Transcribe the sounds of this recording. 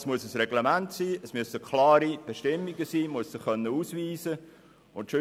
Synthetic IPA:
smuəsəsrɛɡ̥lemæntsiːəsmyəsəkχlɑːɾib̥eʃtɪmːiɡəsiːmuəssɪχχœnːəuːsʋiːzə | ʊntʃø

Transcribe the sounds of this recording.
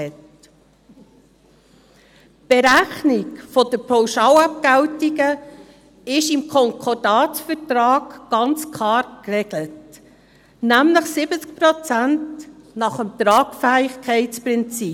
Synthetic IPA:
ɛt | b̥eɾæχnɪkfodəɾpʰawʃɑːwɑp̚ɡ̥æwtiɡə | ɪʃɪmkʰɔŋkʰɔɾdɑːtfəɾtɾɑːɡɡ̥ɑnt͡skʰlɑːɾkrɛɡlət | næmləχsɪbət͡sk̚pɾot͡sæntnɑχəmt̪ɾɑːɡfæɪxkʰɛɪt͡spɾɪnt͡si

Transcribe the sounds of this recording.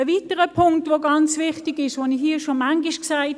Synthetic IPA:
əviːtəʁəpʰʊŋktvoɡɑnt͡svɪχtɪɡɪʃʋonihɦiːʃomaŋɡɪʃksaɪt

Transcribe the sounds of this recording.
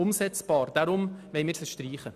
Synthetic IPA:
ʊmsɛt͡sb̥ɑːɾd̥aɾʊmʋɛɪmɪːɾsəʃtriːχə

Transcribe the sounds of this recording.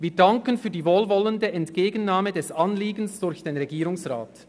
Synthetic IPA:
viːdaŋkənfyːɐdiːvoːlvɔləndəɛntkeːɡən̩naːmədɛsanliːɡən̩sd̥ʊɾçd̥eːnʁeɡiːʁʊŋsʁa̰ːt

